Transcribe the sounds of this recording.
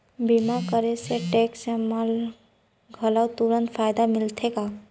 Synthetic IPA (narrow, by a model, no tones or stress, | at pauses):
bimakəɾeseʈeksemal | ɡʱəlawt̪uɾənpʰajd̪amɪlt̪ʰeka